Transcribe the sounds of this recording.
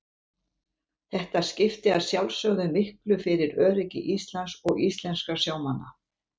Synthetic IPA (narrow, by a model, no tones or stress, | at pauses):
θɛht̪ascɪft̪ɪaðsjawlsœɣðʏmɪhklʏfɪɾɪɾœːɾɪcɪ̰ʔist̪lansɔɣist̪lɛnskḁsjaːwmanːa̰